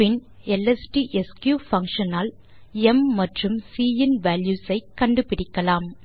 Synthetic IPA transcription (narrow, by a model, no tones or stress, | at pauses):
pɪn | ɛlɛsʈiːʔɛskjuːfɐŋkʂɐnaːl | ɛmːɐʈrɯmsiːɪnʋaːljuːsɐɪkːɐɳɖɯpɪɽɪkːɐlaːm